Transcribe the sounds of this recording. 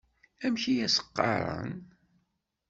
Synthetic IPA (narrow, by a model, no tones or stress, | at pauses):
æmçijæsə̥qːɑ̰ɾˤə̰n